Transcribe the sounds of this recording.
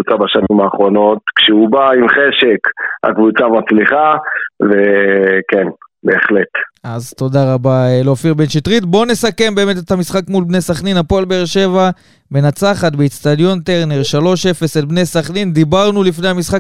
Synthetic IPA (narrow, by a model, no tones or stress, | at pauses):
ut͡sabaʃanimaːχʁo̞no̞t̪kʃeubaimχeʃe̞kha̰kvut͡samat͡sliχavekenbe̞ːχlet̪ʔazt̪o̞d̪aʁabaleofiʁbe̞nʃit̪ʁit̪bo̞ne̞sake̞mbe̞ːmet̪et̪hamisχakmulbnesaχninapolbeːʁʃe̞va | benat͡saχat̪beit̪t͡st̪ad̪jo̞nt̪eʁneʁʃalo̞ʃe̞fe̞selbnesaχnind̪ibaʁnulifne̞jhamisχak